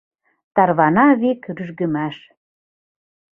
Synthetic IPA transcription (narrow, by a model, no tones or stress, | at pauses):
t̪ɑrβɑnɑβekɾyʒɣə̆mæʃ